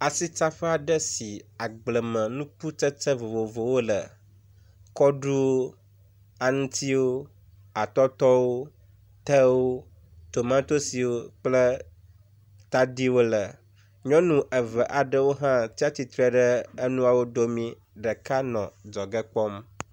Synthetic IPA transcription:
a˨si˦t͡ʃa˦ɸə˦a˨ɖə˦si˨a˨ɡ͡blə˨mə̃˨nũ˦k͡pu˦t͡ʃə˦t͡sə˦vo˨vo˨vo˨wo˦lə̰˨ | kɔ˦ɖu˦wo˦ | a˨ŋũ˦t̪ʰi˦wo˦ | a˨t̪ɔ˦t̪ɔ˦wo˦ | t̪ə˦wo˦ | t̪o˨mã˦t̪o˦si˨wo˦k͡plə˦ | t̪a˦di˦wo˦lə˨ | ɲɔ̃˦nũ˦ʔə˨və˨ʔa˨ɖə˦wo˦ɦã˦t̪i˦a˦t̪i˦t̪ɾə˨ɖə˦ə˦nũ˦a˨wo˦d̪o˦mĩ˦ | ɖə˨ka˦nɔ̰̃˨d͡ʒɔ˨ɡə˦k͡pɔ˦m

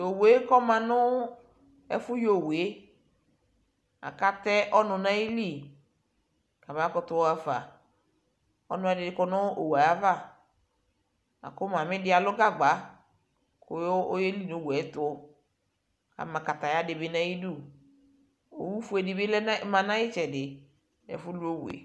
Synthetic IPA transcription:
o˨we˨˦kɔ˦mã˨nʊ˦ | ɛ̰˦fʊ˦jo˨we˦ | a̰˨ka˦tɛ˦ʔɔ˦nʊ˨na˦i˦li˦˨ | ka˨ma˦kɔ˦tʊ˦a˨fa˨ | ɔ̰˦nʊ˨˦ɛ˨dɪ˨dɪ˨˦kɔ˦nʊ˦o̰˨wa˨ja˦va˦˨ | a̰˨kʊ˦ma˨mɪ˦dɪ˦a˨lʊ˦ɡa˦ɡ͡ba˨˦ | kʊ˨jo˦je˦li˦no˨˦˨wɛ˨˦tʊ˦ | ka̰˨ma˨ka˨ta˨ja˦dɪ˨bɪ˦na˦ji˦du˦˨ | o̰˨wu˦fu˦ɛ˨dɪ˨bɪ˦lɛ˦ma˨nã˦ɪ˦t͡ʃɛ˨dɪ˨ | ɛ̰˨fʊ˦lu˦o˦wḛ˨

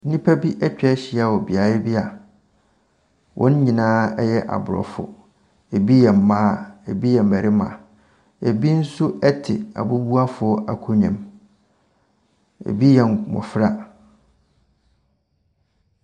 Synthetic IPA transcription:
n̩˦nĩ˦pʰæ˦bi˦ʔɛ˦t͡ɕᶣɛ˦ɕɪ˨˦a˨wɔ˨bɪ˨a˨˦ɪ˦bi˦a˨ | wʔɔ̰̃˦n˦ɲĩ˨nãː˦ɛ˦jɛ˦ʔa̰˨bʊ˨ɾɔ̰˨fʊ̰˨ | e˨bi˦jɛ˨m̩˨mãː˦˨e˨bi˦jɛ˨m̩˨mæ˨ɾɪ˦mã̰˨ | e˨bi˦n̩˦sʊ˦ɛ˦tʰɪ˨a̰˨bʊ˦bu˦a˦fʊ˨˦ʔa˨kʰʊ˦ɲã̰˨m | ḛ˨bi˦jɛ˨n˨mɔ̰˨fɾa˦

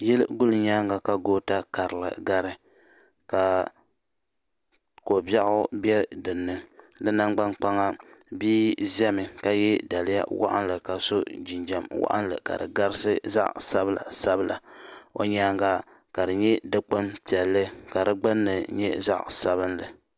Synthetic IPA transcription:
jɛ˦lɡʊ˦lɨ˨ɲaː˦ŋɡa˨ka˨ɡoː˦ta˦ka˨ɾɨ˨lɨ̰˨ɡa˦ɾɨ˦ | ka˨ | ko˨ba˦ʔʊ˦bɛ˦dɨ˨nːɨ˦ | lɨ˦na˦ŋɡ͡ba˦nk͡pa˦ŋa˦biː˦zɛ˦mɨ˨ka˨jɛ˦da˨lɪ˦ja̰˦wa̰˦ʔa̰˦nlɨ˨ka˨so˦d͡ʒi˨nd͡ʒa˨mwa̰˦ʔa̰˦nlɨ̰˨ka̰˨dɨ̰˨ɡa˦ɾɨ˦sɨ˦za̰˦ʔsa˦bɨ˦˨la̰˨sa˦bɨ˦la˨o̰˨ɲaː˦ŋɡa˦ | ka˨dɨ˨ɲɛ˦dɨ˦k͡pɨ˦mpi˨ɛ˨lːɨ˦ka˨dɨ˦ɡ͡bɨ˦nːɨ˨ɲɛ˦za̰˦˨ʔsa˦βɨ˦nlɨ̰˨

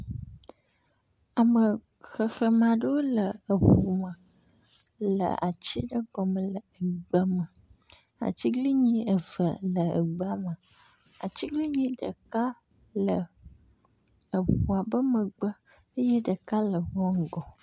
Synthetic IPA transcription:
a˨mə˨ | xə˨xə˨mã˨ɖə˦wo˦lə˨ə˨ɸu˨mə̃˨ | lə̰˨a̰˨t͡ɕi˦ɖə˦ɡɔ˨mə̃˨lə˨ə˨ɡ͡bə˦mə˨ | a̰˨t͡ɕi˦ɡli˦ɲĩ˦ə˨və˨lə˨ə̰˨ɡ͡bə˨a˨mə˨ | a̰˨t͡ɕi˦ɡli˦ɲĩ˦ɖə˨ka˦ | lə˨ | ə˨ɸu˨a˨bə˦mə˨ɡ͡bə˦ | ə˦je˦ɖə˨ka˦lə˨wɔ˦ŋ̩˨ɡɔ˨

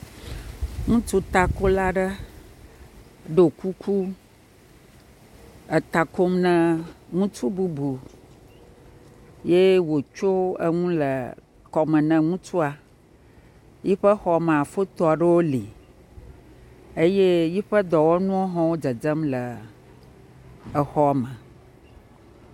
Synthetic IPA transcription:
ŋũ˦t͡ʃu˦t̪a˨ko˦la˦ɖə˦ | ɖo˨ku˦ku˦ | ə˨t̪a˨ko˦mnə̃˨ŋũ˦t͡ʃu˦bu˨bu˨ | je˦wo˨t͡ʃo˦ə̰˦ŋũ˦lə˨ | kɔ˨mə̃˨nɛ̃˨ŋũ˦t͡ʃu˦a˨ | ji˦ɸə˦xɔ˨a˨mɛ̃˨a˨fo˦t̪ɔ˨a˨ɖe˦wo˦li˨ | e˦je˦ji˦ɸə˦d̪ɔ˨wɔ˦nũ˦o˦ɦɔ̃˦wo˦d͡ʒə˨d͡ʒə˦mlə˨ | ə˨xɔ˦a˨mə˨

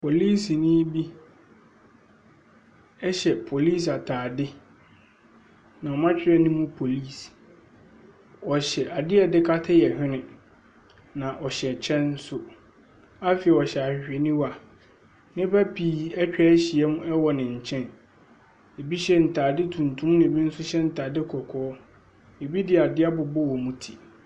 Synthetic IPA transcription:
pʰo˨liː˦snĩ˦bi˦ | ɛ˦ɕɛ˨pʰo˨liː˦s̬a˨tʰaː˨dɪ˦ | nã˨ɔ˨mã˦t͡ɕᶣɪ˦ɾɛ˦˨nĩ˦mũ˦pʰo˨liː˦˨s | ɔ˨ɕɛ˨ʔa˨dɪ˦ɛ˨dɪ˦kʰa˦tʰa˦jɛ˨hᶣɪ̃˦nɪ̃˨ | nã˨ʔɔ˨ɕɛ˨t͡ɕʰɛ̃˦n˦sʊ˦ | a˦fɪ˨ɛ˨ɔ˨ɕɛ˨a˨hᶣɪ˨ɕᶣɛ˨nĩ˦wa˨ | nɪ̃˦ba˦pʰiː˨ɛ˦t͡ɕᶣɛ˦ɕi˨ɛ˦mũ˦ɛ˦wɔ˨nɪ̃˨ɲ̩˨t͡ɕʰɛ̃˦n | e˨bi˦ɕɛ˦n̩˨tʰaː˨dɪ˦tʰũ˨ntʰũ˦mnɪ̃˨e˨bi˦n̩˦sʊ˦ɕɛ˦n̩˨tʰaː˨dɪ˦kʰɔ˨kʰɔː˦ | e˨bi˦dɪ˨a˨dɪ˦a˦bʊ˨bɔ˦wɔ˨mũ˦tʰi˨

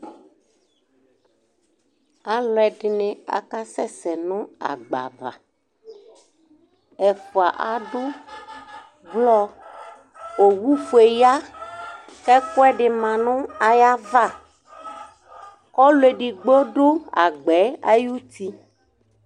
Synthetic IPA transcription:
a˨lɔ˨ɛ˨ɖɪ˨nẽ˨a̰˨ka˦sɛ˦sɛ˨nʊ̃˦a̰˨ɡ͡ba̰˨va̰˨ | ɛ˨fo˨a˨ʔa˨ɖʊ˦ | ɡ͡blɔ˦ | o˨wu˦fu˨e˨ja˦ | kɛ˦kɔ˦ɛ˦ɖɪ˨mã˨nʊ̃˦a˨ja˦va˦˨ | kɔ˦le˨ɖi˨ɡ͡bo˦ɖʊ˦a̰˨ɡ͡bɛ˨˦a̰˦ju˦t̪i˦

